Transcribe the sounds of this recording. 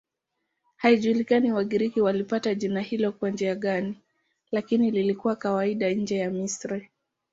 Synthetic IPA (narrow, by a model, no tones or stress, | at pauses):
haiʄuːlikaniwaɠiɾikiwalipataʄinahilɔkwand͡ʒiaɠani | lakinililikuwakawaiɗaɲ̩d͡ʒɛjamisɾi